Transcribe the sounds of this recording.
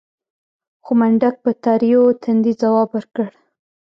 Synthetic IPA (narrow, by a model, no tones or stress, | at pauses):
xomaɳɖak̚pət̪ɑɾijot̪ʰand̪izawɑbwəɾkəɽ